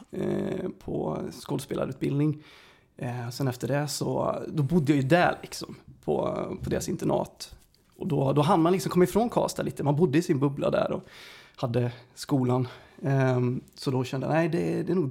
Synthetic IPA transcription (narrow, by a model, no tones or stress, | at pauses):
pʰɔ̰skoːd̪speːla̰ɾʉ̟ːt̪bɪld̪nɪŋ | sɛnɛft̪əɖɛsɔ̰d̪ɔbʊd̪ːəjajʉd̪æ̰ɭɪksɔmpʰɔ̰pʰɔd̪eːɾasɪnt̪əɳɑ̰ːt̪ | ʔɔd̪ɔd̪ɔɦanmanlɪksɔmkʰɔmːɪfɾoːnkʰɑ̰ːst̪aliːt̪əmanbʊd̪ːəɪsɪnbɵbla̰d̪æ̰ɾɔ̰had̪ːəskuːlan | sɔd̪ɔɕɛnd̪əja̰næɪd̪ɛd̪ɛːɾnuːɡ